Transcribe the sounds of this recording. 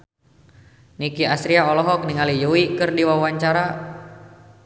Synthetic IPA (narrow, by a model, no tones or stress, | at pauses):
nikiasɾiaɔlɔɦɔk̚niŋalijuwikɨrdiwawaɲt͡ʃaɾa